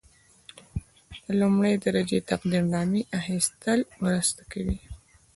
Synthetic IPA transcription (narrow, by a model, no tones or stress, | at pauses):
d̪əlumɽəjd̪aɾad͡ʒet̪aqd̪iɾnɑmiʔaxist̪əlmɾəst̪ḁkawi